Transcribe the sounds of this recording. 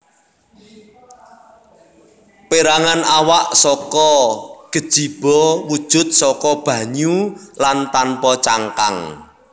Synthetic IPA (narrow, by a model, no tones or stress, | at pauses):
peɾaŋanawaʔsɔkɔɡ̥ə̤d̥ʒ̥i̤b̥ɔwud̥ʒ̥ʊ̤t̪̚sɔkɔb̥ä̤ɲulant̪anpɔt͡ʃaŋka̰ŋ